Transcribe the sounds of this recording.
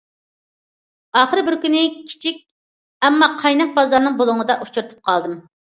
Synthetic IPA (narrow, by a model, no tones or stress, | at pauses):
ɑːχəɾɪbɪɾkʲynɪkʲʰi̥t͡ʃʰik̚ʲ | ɛmːɑqʰɑjnɑq̚bɑzlɑɾnɨŋbolˠʊŋəd̪ɑʔut͡ʃʰuɾt̪ʰɨ̥p̚qʰɑlˠd̪ɨm